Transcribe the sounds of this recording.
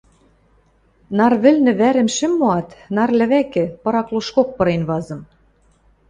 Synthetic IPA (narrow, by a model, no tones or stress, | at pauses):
nɑrβɘ̆lnɘ̆βæɾɘ̆mʃɘ̆mːoɑt̪nɑrlɘ̆βækɘ̆pɤ̆ɾɑkluʃkok̚pɤ̆ɾenβɑzɤ̆m